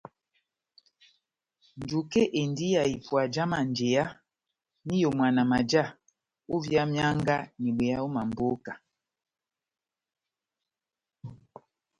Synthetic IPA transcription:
n˨d͡ʒu˨ke˦ʔe˨ndi˦ja˨i˨pwa˨d͡ʒa˦ma˨nd͡ʒe˨a˦ | ni˦jo˨mwa˨na˨ma˨d͡ʒa˦˨ | u˦vja˦mja˦ŋɡa˦ni˨ɓwe˨a˦o˦ma˨m˨bo˦ka˨

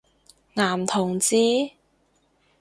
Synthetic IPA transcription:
ŋaː˨˩mt̪ʰʊ˨˩ŋt͡siː˥

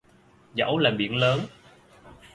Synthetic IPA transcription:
zə̰˧˥˦wlaː˨˩ɓḭ˧˩˦ənləː˨˦n

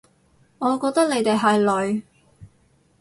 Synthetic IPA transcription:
ŋɔː˨˧kɔː˧k̚t̪ɐ˥k̚le˨˧jt̪e˨jɦɐ˨jlɵ˨˧ɥ

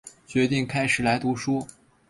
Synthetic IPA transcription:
t͡ɕɥɛ˧˥t̪i˥˩ŋkʰa˥ɪʂɻ̩˨˩la˧˥ɪt̪u˧˥ʂwɔ˥

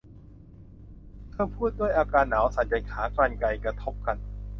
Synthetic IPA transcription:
t̪ʰɤː˧pʰuː˥˩t̪̚du˥˩əjʔaː˧kaː˧nːaː˩˦wsa˨˦nt͡ɕa˧jkʰaː˩˦klaː˧nka˧jkɾa˧t̪ʰo˦˥p̚ka˧n

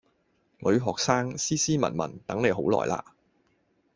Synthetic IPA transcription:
ŋɵ˨˧ɥɦɔː˨k̚saː˥ŋsiː˥siː˥mɐ̰˨˩nmɐ̰˨˩nt̪ɐ˨˥ŋne˨˧jɦo˨˥wlɔ̰ː˨jla̰ː˧

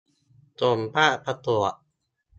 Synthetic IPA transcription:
t͡ɕo˨˩mpaː˥˩ʔpʰa˧t̪u˨˩əʔ

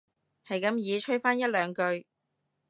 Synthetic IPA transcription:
hɐ˨jkɐ˨˧˥mjiː˨˧t͡ʃʰɵ˥ɥfaː˥njɐ˥t̚lœː˨˧ŋkɵ˧ɥ

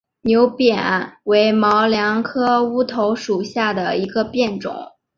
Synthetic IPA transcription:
njo˧˥ʊpjɛ˨˩˦nnwe˧˥ɪmɑ˧˥ʊljɑ˧˥ŋkʰɤ˥u˥t̪ʰo˧˥ʊʂu˨˩ɕja˥˩d̪ə˩i˧˥ɡə˧pjɛ˥˩nʈ͡ʂʊ̰˨˩˦ŋ

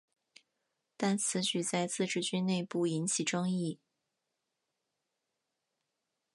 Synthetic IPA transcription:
t̪a˥˩nt͡sʰɹ̩˧˥t͡ɕy˨˩t͡sa˥˧ɪt͡sɹ̩˥˧ʈ͡ʂɻ̩˥˩t͡ɕy˥nne˥˧ɪpu˥˩i˧˥nt͡ɕʰi˨˩ʈ͡ʂɤ˥ŋi˥˩

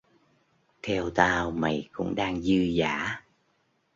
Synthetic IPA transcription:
t̪ʰɛ˧wt̪aː˧wma̰˨jkʊ̰˧˥ŋ͡mɗaː˧ŋzɨ˧zaː˧˥

